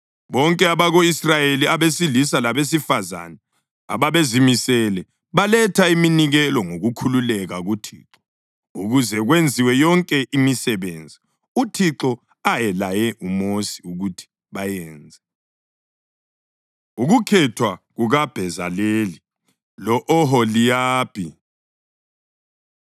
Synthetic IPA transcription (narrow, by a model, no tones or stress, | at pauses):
βɔŋkʼɛaβaɣoisrajeliaβesilisalaβes̬ifaza̰nɛ | a̰βaβezimisɛlɛ | βalɛtʰaiminiɣɛlɔŋoɣukʰululɛɣaɣutʰḭːǁɔ | uɣuzɛɣwend͡zʱiwɛjɔŋkʼɛʔimisɛβeːnd͡zʱi | utʰiǁɔ | ajɛlajɛʔumosi̥uɣutʰi̥ | βajɛːnd͡zʱɛ | uɣukʰɛtʰwaɣuɣab̥ʱɛzaleːli | lɔʔɔɦɔlijaːb̥ʰi